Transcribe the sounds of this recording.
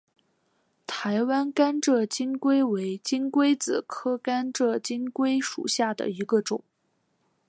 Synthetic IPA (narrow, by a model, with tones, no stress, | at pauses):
t̪ʰa˧˥ɪwa˥nka˥nʈ͡ʂɤ˥˩t͡ɕi˥nkwe˥ɪwe˧˥ɪt͡ɕi˥nkwe˥ɪt͡sɹ̩˨˩kʰɤ˥ka˥nʈ͡ʂɤ˥˩t͡ɕi˥nkwe˥ɪʂṵ˨˩ɕja˥˩d̪ə̰˩i˧˥ɡə˧ʈ͡ʂʊ̰˨˩˦ŋ